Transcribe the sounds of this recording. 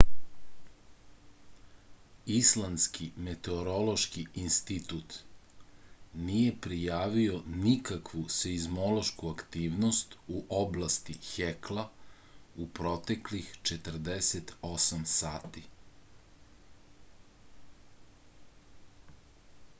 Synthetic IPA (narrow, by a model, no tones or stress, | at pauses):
islˠanskimet̪e̞oɾo̞lo̞ʃkiinst̪it̪ut̪ | nije̞pɾijaːʋio̞nikakʋuseizmo̞lo̞ʃkuakt̪iːʋnost̪uʔoblast̪ixekla | upɾo̞t̪eklixt͡ʃet̪ər̩d̪eset̪o̞samsaːt̪i